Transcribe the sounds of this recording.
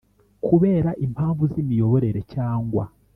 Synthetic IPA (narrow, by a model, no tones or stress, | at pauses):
kuβeːɾaʔimphaːɱvuzimijo̞βo̞ɾe̞ɾecaːŋɡwa̰